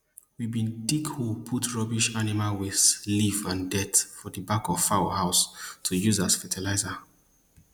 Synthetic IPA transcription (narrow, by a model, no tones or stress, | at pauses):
wibĩndiɡhupʰutɹɔbiʃanimalwɪð̥slivãndɛtfɔðəbakɔv̥fahaʊstʰujuzasfɛtʰilaɪza